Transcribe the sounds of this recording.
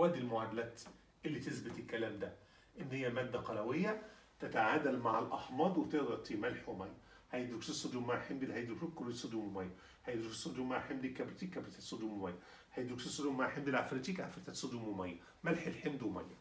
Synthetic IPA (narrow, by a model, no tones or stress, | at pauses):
wæːd̪ilmʊʕad̪ælæːt̪ | ʔelːit̪esbɪt̪elkːælæːmd̪æ | ʔenːhɪjːæmæːd̪ːæqɑlæwejːæ | t̪æt̪aʕaːd̪ælmaʕalʔɑħmɑːd̪wet̪eʔd̪ˤɑt̪ːimælħwemæjːæ | hæjed̪ɾukʃusˤːod̪uːmaʕħemd̪elhæjd̪ɾukʃukːolesˤod̪uːmomæjːæ | hæjd̪ɾuki̥sˤod̪uːmːaʕħemd̪ikːæbɾit̪iːkːæbɾit̪isːˤod̪uːmomæjːæ | hæjd̪ɾukʃisːˤod̪ummaʕħemd̪ilʕafɾit̪iːkʕa̰fɾit̪æsˤod̪uːmwemæjːæ | mælħelħemd̪wemæ̰jːæ